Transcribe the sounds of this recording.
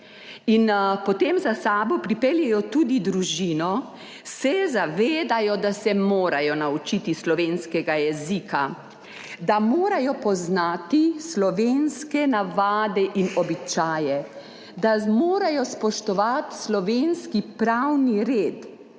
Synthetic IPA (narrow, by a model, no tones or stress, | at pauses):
inpɔt̪emzasaːbɔpɾipɛljɛjɔt̪uːd̪id̪ɾuʒiːnɔ | sɛzaʋeːd̪ajɔd̪asɛmoːɾajɔnaut͡ʃit̪islɔʋeːnskɛɡajɛzika | d̪amoːɾajɔpɔznaːt̪islɔʋenskɛnaʋaːd̪ɛʔinɔbit͡ʃaːjɛ | d̪amoːɾajɔspɔʃt̪ɔʋat̪slɔʋenskipɾawniɾeːt̪